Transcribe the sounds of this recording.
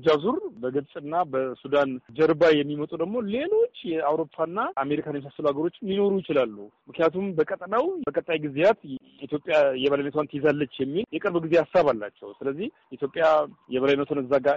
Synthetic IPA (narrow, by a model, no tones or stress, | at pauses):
d͡ʒazuɾbəɡɨlsʼɨnːabəsud̪and͡ʒəɾbajɛmːimət̪ʼud̪əɡmole̞lo̞t͡ʃːjɛawɾo̞pʰːanːaame̞ɾikʰanmisasːəluhaɡəɾo̞t͡ʃːjino̞ɾujɪt͡ʃɪlalːumɨknijat̪ʰumbəkʼət̪ʼnawəkʼət̪ʼːajɡɨzjat̪ | it̪jo̞pʼjajɛβəlajnət̪ʰwant̪ʰezalːət͡ʃːjɛmːiljɛkʼəɾbɡize̞hasaβalːa̰t͡ʃːɛ̰wsɨləzːihjit̪jo̞pʼːjajɛβəlajnːət̪ʰonɨzːaɡa